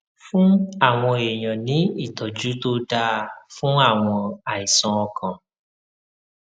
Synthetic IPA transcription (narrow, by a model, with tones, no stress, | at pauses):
fũ˦a˦˨w̃ɔ̃˧e˨j̃ã˨nĩ˨˦i˦˨tɔ˨d͡ʒu˨˦to˦da˧fũ˦a˦˨w̃ɔ̃˧a˨i˨sɔ̃˧ɔ˧kʰã˨